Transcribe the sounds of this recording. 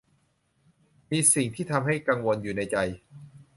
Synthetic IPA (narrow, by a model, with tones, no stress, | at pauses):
miː˧si˨˩ŋt̪ʰiː˥˩t̪ʰa˧mɦa˥˩jka˧ŋwo˧njuː˨˩na˧jt͡ɕa˧j